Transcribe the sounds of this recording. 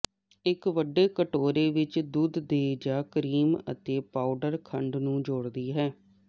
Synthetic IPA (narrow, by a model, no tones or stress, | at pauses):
ɪkʋəɖeːkəʈoːɾeːʋɪt͡ʃd̪uːd̪d̪eːd͡ʒaːkɾiːmə̰t̪eːpaːʊɖəɾkʰəɳɖnũːd͡ʒoːɽd̪iːɦɛː